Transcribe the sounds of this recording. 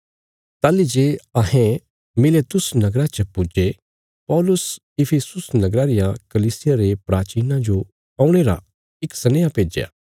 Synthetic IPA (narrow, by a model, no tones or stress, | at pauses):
t̪aːlid͡ʒeːɐɦẽ | mɪleːt̪ʊsnɐɡɾat͡ʃɐpʊd͡ʒe | pɔːlʊs | ɪpʰisʊsnɐɡɾaɾɪjãkɐliːsɪjaɾepɾaːt͡ʃiːnãd͡ʒo | ɐːũɽ̃eːɾa̰ | ɪksɐneːjapeːd͡ʒeja̰ː